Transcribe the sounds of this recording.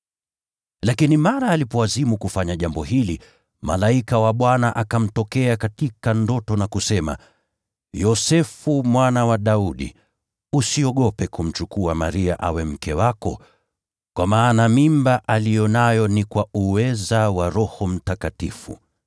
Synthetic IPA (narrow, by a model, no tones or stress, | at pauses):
lakinimaɾaːlipɔwazimukufaɲaʄambɔhili | ma̰laikawaɓwanaʔakam̩tɔkɛakatikandɔtɔnakusɛma̰ | jɔsɛfumwanawaɗauɗḭ | usiɔɠɔpɛkum̩t͡ʃukuama̰ɾia̰ʔawɛm̩kɛwakɔ | kwʔamaːnamimbaʔalijɔnajɔnikwauwɛzawaɾɔhɔm̩takatḭfṵ